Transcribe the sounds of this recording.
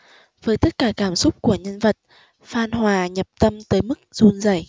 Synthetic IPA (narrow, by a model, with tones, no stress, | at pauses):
vəː˨˦jt̪ə˦˥t̚kaː˧˩kaː˧˩msʊ˦˥k͡p̚ku˧˩əɲə˧nvə˨˩t̚ | faː˧nɦwaː˨˩ɲə˨˩p̚t̪ə˧mt̪əː˨˦jmɨ˦˥k̚zu˧nzə̰˧˩j